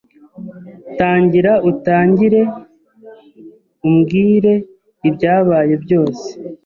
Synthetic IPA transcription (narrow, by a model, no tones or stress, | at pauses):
taːɲɟiɾautaːɲɟiɾe̞ | umɡiːɾe̞ | ibɟaːβaːje̞bɟo̞ːse̥